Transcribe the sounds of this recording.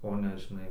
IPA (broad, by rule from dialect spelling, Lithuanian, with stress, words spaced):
oː ˈnʲɛ ʒʲɪˈnɐɪ